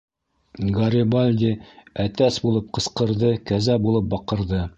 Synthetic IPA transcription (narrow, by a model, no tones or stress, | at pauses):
ɡɐɾʲɪbalʲd̪ʲiæt̪æsbulˠɤp̚qɤ̆sqɤ̆ɾðɤkæzæbulˠɤp̚bɑqɤ̆ɾðɤ